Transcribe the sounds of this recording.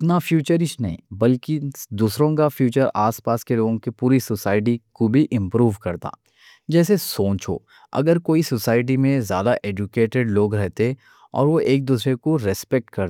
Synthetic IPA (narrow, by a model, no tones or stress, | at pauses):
ɪt̪nafjuːt͡ʃəɾɪʃnɐɦḭ̃bɐlkid̪uːsɾõkafʰjuːt͡ʃəɾaːspaːskeloːɡõkepuːɾisosaːɪʈ̬ikobʱiʔɪ̃mpɾuːʋkɐɾt̪a̰ː | d͡ʒɛːsesõːt͡ʃɦo̰ː | ɐ̰ɡəɾkoːisosaːɪʈ̬imẽzja̰ːd̪aʔeːd͡ʒʊkeːʈeɖloːɡɾɛɦt̪e | ɔ̰ːɾʋoʔeːk̚d̪uːsɾekoɾɪspɛk̚ʈkɐɾt̪ː